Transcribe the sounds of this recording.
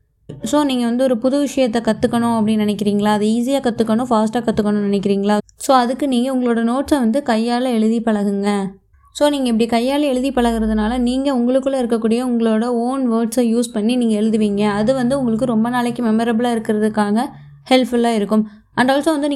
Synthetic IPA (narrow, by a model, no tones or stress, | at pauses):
soːniːŋɡɐʋɐnd̪ɯɔɾɯpʊðʊʋɪʂɐjɐt̪ːɛkɐt̪ːɯkːɐɳʊ̃ɐpːɐɽɪnnɪnɛkːɪɾiːŋɡɐɭaːɐðɯiːs̬ijaːkɐt̪ːɯkːɐɳʊ̃faːsʈaːkɐt̪ːɯkːɐɳʊ̃nɐnɛk̬ːɪɾiːŋɡɐɭaːsoːɐðɯkːɯniːŋɡɐʊŋɡɐɭoːɽɐnoːʈsɐʋɐnd̪ɯkɐjːaːlɐɛɭɯðipɐɭɐɣɯŋɡɐ | soːniːŋɡɐɪpːɐɽikɐjːaːlɐɛɭɯðipɐɭɐɣɯɾɐðɯnaːlɐniːŋɡɐʊŋɡɐɭɯkːɯɭːɐɪɾɯkːɐkːuːɽɪjɐʊŋɡɐɭoːɽɐoːnʋɐːʈsɐjuːspɐɳːiniːŋɡɐɛɭɯðɯʋiːŋɡɐːðɯʋɐnd̪ɯʊŋɡɐɭɯkːɯɾɔmbɐnaːɭɐkːɯmɛmɐɾɐbɭaːɪɾɯkːɪɾɐðɯkːaːɣɐ | hɛlfɐlaːɪɾɯkːɯm | ɐɳɖaːlsõʋɐnd̪ɯnː